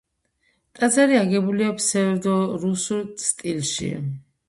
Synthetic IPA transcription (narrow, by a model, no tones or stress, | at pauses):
t̪ʼad̪zaɾiaɡɛbuliɔpsɛvɾd̪ɔɾusult̪sʰt̪ʼilʃḭa̰